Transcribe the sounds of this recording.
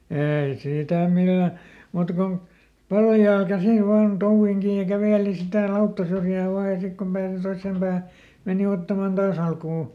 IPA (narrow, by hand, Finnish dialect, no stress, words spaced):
eːi siˑtæ milːæ muːtɑ kon pɑljɑːl kæsil ʋɑːn touʋːiŋ kiːj jɑ kæʋeˑli sitæ lɑutːɑsyrjæː ʋɑː jɑ sik kom pæːsi toisːeˑm b̥æːhæ meˑni otːɑmɑn d̥ɑːs ɑlkuː